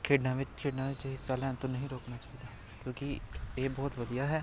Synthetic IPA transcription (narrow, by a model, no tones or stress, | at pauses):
kʰeːɖnãːʋɪt͡ʃkʰɪːɖnãːʋɪt͡ʃɦɪsːaːlɛ̃ːnt̪õːnəɦĩːɾoːknaːt͡ʃaːɦiːd̪aː | kjõːkieːbɔːt̪ʋəd̪ijaːɦɛː